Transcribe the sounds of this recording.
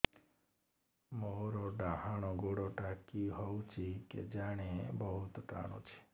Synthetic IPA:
moɾoɖaɦaɽ̃oɡoɽoʈakiɦɔwt͡ʃʰikḛd͡ʒaɽ̃ebɔɦut̪ʈa̰ɽ̃o̰t͡ʃʰe̥

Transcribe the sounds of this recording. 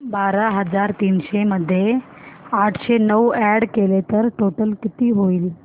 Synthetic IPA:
baɾaɦəd͡zaɾt̪iːnɕeməd̪ʱːje | aʈʰɕenəwɛɽkelet̪əɾʈoʈəlkit̪iːɦoil

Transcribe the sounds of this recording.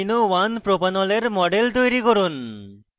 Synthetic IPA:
inowanpɾopanɔleɾmɔɖelt̪ojɾikɔɾun

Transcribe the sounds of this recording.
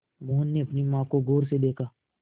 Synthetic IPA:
moːɦnːeɐpnimãːkoɡoːɾsed̪eːkʰaː

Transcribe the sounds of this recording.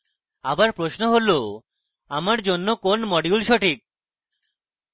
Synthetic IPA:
abaɾpɾoʃnoɦolo | amaɾd͡ʑonːokonmɔɖiulʃoʈik̚

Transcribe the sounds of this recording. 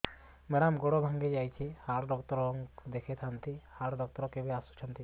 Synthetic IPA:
mɛɽamɡɔɽɔbʱaŋɡed͡ʒajt͡ʃʰihaɾɖɔk̚t̪ɔɾɦɔŋd̪ekʰɛt̪ʰant̪ihaɽɖɔk̚t̪ɔɾɔkebiasu̥t͡ʃʰɔnt̪i

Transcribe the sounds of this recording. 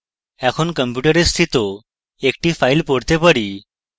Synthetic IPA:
ɛkʰuːnkəmpjuʈəɾest̪ʰit̪o | ek̚ʈiːfailpoɽt̪epəɽi

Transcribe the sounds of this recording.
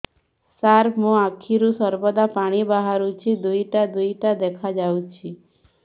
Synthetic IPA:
saɾmũakʰiɾũsɔɾbɔd̪apaɽ̃ibaɦaɾut͡ʃʰid̪ujʈad̪ujʈad̪ɛkʰad͡ʒaw̃t͡ʃʰi

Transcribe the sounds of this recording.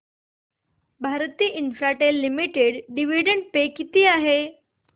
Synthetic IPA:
bʱaɾt̪iːʔinfɾaʈelːimiʈeɽɖiʋiɖəɳɖ̚pekit̪iːaɦe

